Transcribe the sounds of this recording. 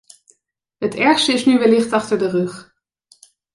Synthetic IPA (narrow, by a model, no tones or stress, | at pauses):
ɦətɛɹχstəɪsnyʋɪlɪχtɑχtəɹdərɵχ